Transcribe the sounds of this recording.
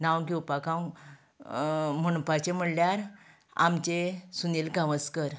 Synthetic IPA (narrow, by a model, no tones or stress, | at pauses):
nawɡiwpakãw | m̤əñupat͡ɕem̤əɽljaɾ | a̰mt͡ɕesunilɡaʋəskəɾ